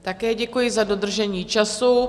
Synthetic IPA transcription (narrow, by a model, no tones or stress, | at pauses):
t̪akɛːɟɛkujɪzado̞d̪r̩ʒɛɲiːt͡ʃasu